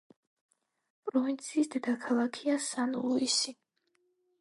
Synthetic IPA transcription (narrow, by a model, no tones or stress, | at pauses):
pʼɾɔvint̪sʰiːsd̪ɛd̪akʰalˠakʰiasanluisi